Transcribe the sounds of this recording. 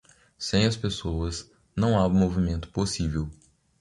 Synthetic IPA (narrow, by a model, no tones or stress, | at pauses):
sẽj̃ɐspesowɐz | nɐ̃w̃amovimẽnt̪ʊ̥posivew